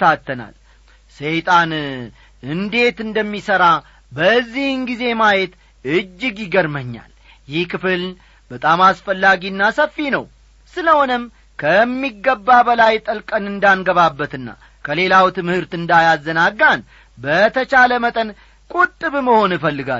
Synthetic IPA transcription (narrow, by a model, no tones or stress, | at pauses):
t̪ʰat̪ʰːəna̰l | sejt̪ʼan | ɨnd̪e̞t̪ɨnd̪əmːisəɾa | bəzːihnɡize̞majet̪ | ɨd͡ʒːɪɡjɪɡəɾməɲːa̰l | jɪhkɨfɨl | bət̪ʼamasfəlːaɡinːasəfːinəw | sɨləhonɨm | kʰəmːiɡːəbːabəlajt̪ʼəlkʼənɨnd̪anɡəβabːət̪ɨnːa̰ | kʰəle̞lawt̪ɨmhɨɾt̪ɨnd̪ajazːənaɡːan | bət̪ʰət͡ʃaləmət̪ʼən | kʼut̪ʼːɨβməho̞nɨfəlːɨɡa